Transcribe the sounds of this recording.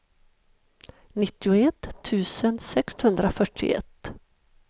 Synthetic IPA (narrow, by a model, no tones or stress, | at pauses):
nɪt̪ːɪʊɛt̪ʰːʉ̟ːsənsɛkshɵnd̪ɾafœʈʰːɪ̰ɛ̰t̪ː